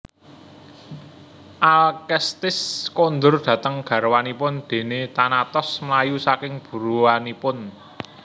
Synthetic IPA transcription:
ʔalkɛst̪ɪskond̪ʊrd̪̥ä̤t̪əŋɡ̥ä̤ɾwanipʊnd̪̥e̤net̪anat̪ɔsmlajusakɪŋb̥ṳɾuwanipʊn

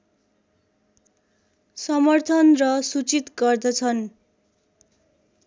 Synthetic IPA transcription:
sʌmʌrt̪ʰʌnrʌsut͡sit̪ɡʌrd̪ʌt͡sʰʌn

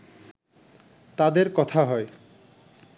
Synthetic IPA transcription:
t̪ad̪eɾkɔt̪ʰaɦɔe

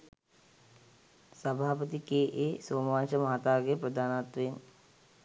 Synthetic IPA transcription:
səbʱaːpət̪ikeːʔeːsoːmaːnʃəmaɦat̪aːɡepɾəd̪ʱaːnat̪ʋen

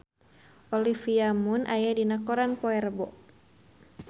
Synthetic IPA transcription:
ʔɔlifiamunʔa̰jadinakɔɾanpɔɛrbɔ̰

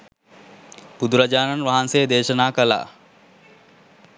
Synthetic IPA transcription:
pud̪uɾad͡ʒaːnanʋaɦansejəd̪eːʃənaːkəla̰ː

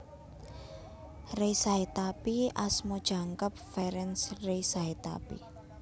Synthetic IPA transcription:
rejsaɦet̪apiʔasmod̥ʒ̥a̤ŋkəp̚fɛɾɛnsrejsaɦet̪a̰pḭ

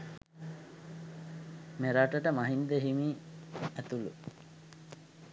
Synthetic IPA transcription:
meɾaʈəʈəmaɦind̪eɦimiːæt̪ulṵ

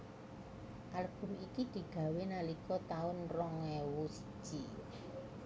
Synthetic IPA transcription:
ʔaləb̥ʊ̤ɦikid̪̥i̤ɡ̥ä̤wenalikɔt̪aʊnrɔŋɛwusə̥ʒ̥i

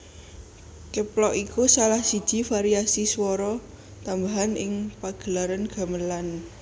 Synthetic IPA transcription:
kəplɔʔikusalahsid̥ʒ̥i̤faɾiasiswɔɾɔ | t̪ambaɦanɪŋpaɡ̥ə̤laɾanɡ̥a̤məlan

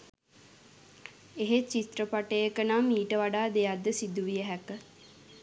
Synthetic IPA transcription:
eɦet͡ʃit̪ɾəpaʈəjəkənamiːʈəʋaɖaːd̪ejad̪ːəsid̪uʋijəɦɛkə

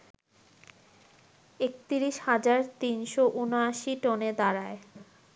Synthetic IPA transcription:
ek̚t̪iɾiʃhad͡ʑaɾt̪inʃoʔunoaʃiʈɔned̪aɾae

